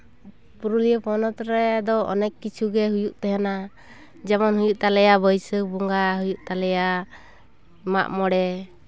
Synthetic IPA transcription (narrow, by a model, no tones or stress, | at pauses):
puɾulijəpɔnɔt̪ɾɛd̪ɔɔ̰nɛkːit͡ʃʰuɡɛɦujuʔt̪ɛɦɛna | d͡ʒɛmɔnhujuʔt̪alɛjabəjsəkbuŋɡaɦujuʔ̚t̪alɛja | ma̰ʔmɔɽɛ